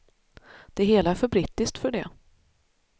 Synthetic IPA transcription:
d̪̥ɛɦeːlaæɾfœɾbɾiːt̪ːɪst̪fœɖɛ

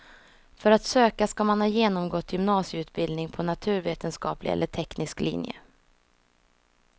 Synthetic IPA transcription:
fœɾat̪søːkaskamanhɑːjeːnɔmɡɔt̪ʰːjʏmnɑːsjəʉ̟ːt̪̚bɪld̪nɪŋpʰɔnat̪ʰʉ̟ːɾveːt̪ənskɑ̰ːplɪ̰ɛ̰lːəʈʰɛknɪsklḭnjə̰

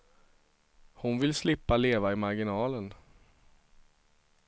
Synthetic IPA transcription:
hʊnvɪlslɪpːaleːvaɪmaɾɡɪnɑːlən

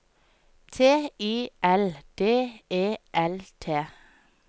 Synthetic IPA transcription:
t̪ʰeːiːʔɛld̪̥eːeːʔɛlt̪ʰeː

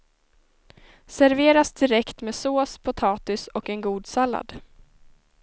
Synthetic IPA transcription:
sæɾveːɾasd̪ɪɾɛkt̪meːsoːspʰʊt̪ʰɑːt̪ʏsɔkɛnɡuːd̪salːa̰d̪

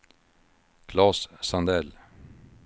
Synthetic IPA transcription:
kʰlɑːssɑnd̪ɛl

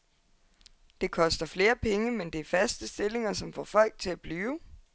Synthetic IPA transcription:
d̥e̝kʰɒ̽sd̥ɐfle̝ːɐpʰeŋəmend̥e̝æɐfæsd̥əsd̥e̝le̝ŋɐsɒ̽mfɒ̰ːfɒ̽l̰ɡ̥̚t͡sʰe̝læb̥lyːʊ

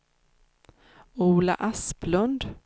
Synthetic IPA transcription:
uːla̰ʔasplɵnd̪

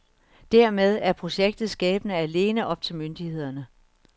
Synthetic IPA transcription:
d̥æɐmeð̞ˠæɐpʰʁo̝ɕeɡ̥̚d̥ð̞̩ˠsɡ̥ɛ̰ːb̥ənəæle̝ːnəʔɒ̽b̥̚t͡sʰe̝lmønd̥ihe̝ð̞̰ˠɐnə

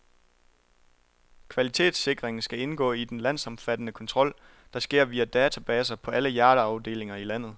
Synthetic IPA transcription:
kʰʋælit͡sʰe̝̰ːd̥se̝ɡ̥ʁeŋn̩sɡ̥æe̝nɡ̥ɔ̰̽ːid̥enlæn̰sɒ̽mfæd̥ənəkʰɒ̽nt͡sʰʁɒ̽l̰ | d̥ɑ̈sɡ̥e̝ɐ̰ʋiːæd̥ɛːt͡sʰæb̥ɛːsɐpʰɒ̽ʔæləjæːɾəɑ̈ʊd̥e̝̰ːle̝ŋɐilæn̰ð̞̩ˠ

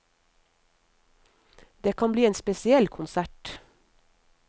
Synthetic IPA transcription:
d̪̥eːkʰɑnbliːeːnspɛsɪɛlkʰʊnsæʈ

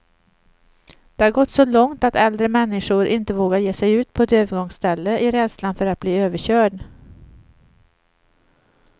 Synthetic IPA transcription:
d̪̥ɛhaɾɡɔt̪ːsɔlɔŋt̪at̪ɛld̪ɾəmɛnːɪʂʊɾʔɪnt̪əvoːɡaɾjeːsɛjʉ̟ːt̪̚pʰɔɛt̪øːvəɾɡɔŋst̪ɛlːəʔɪɾɛd̪slanfœɾat̪̚b̥liːøːvəɕœːɖ

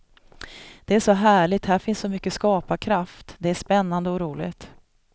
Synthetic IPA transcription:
d̪̥ɛæʂɔɦæːɭɪt̪hæɾfɪnssɔmʏkːəskɑːpakʰɾaft̪d̪ɛæʂpɛnːand̪əɔɾuːlɪ̰ɡt̪

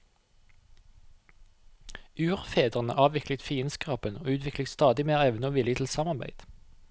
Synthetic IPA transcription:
ʉːʁfeːd̪əʁənə̰ʔɑːʋʋɪklət̪fiːənskʁɑːpəno̰ːʉːt̪ʰʋɪkləst̪ɑːd̪ɪmeːʁɛʋnəoːʋɪlɪt̪ʰl̩sɑːmɑʁbæ̰ɪd̪̥

